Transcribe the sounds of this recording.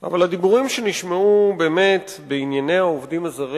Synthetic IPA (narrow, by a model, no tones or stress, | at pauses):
a̰valhad̪ibuʁimʃe̞niʃmeube̞ːme̞t | beinjane̞jaovdimazaʁi